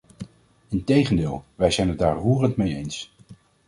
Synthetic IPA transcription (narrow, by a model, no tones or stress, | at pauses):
ɪntejχəndɪːlˠʋɛjzɛjnədaːɹɦuːrəntmejejns